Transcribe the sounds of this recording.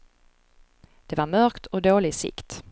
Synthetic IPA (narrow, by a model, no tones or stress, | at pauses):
d̪̥ɛvaɾmœɾkt̪ʰɔd̪oːlɪɡsɪ̰kt̪